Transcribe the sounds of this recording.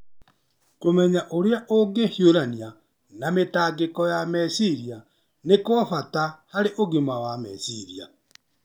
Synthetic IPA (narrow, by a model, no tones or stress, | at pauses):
komɛɲaʔoɾeaʔoɡehioɾania | nametaːɡekɔjamɛsiɾia | nekɔfatahaɾeʔoɣimawamɛ̰siɾia